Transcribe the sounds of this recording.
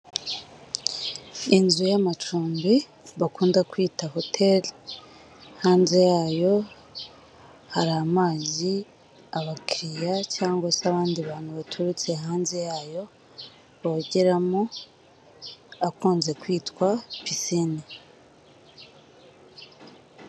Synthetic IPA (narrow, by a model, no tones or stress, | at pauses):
inzujamat͡ʃuːmbi | βakuːndakwiːtaɦo̞tʰe̞l | haːnze̞jaːjo̞ | haɾaːmaːzi | aβakɾijacaːŋɡwasaβaːndiβaːn̥huβatʰuɾut͡se̞ɦaːnze̞jaːjo̞ | βaɟeɾamo | akuːnze̞kwiːtwapisini